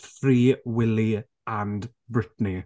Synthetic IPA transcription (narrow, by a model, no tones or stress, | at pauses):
fɾiːwɪli | and | bɹɪtni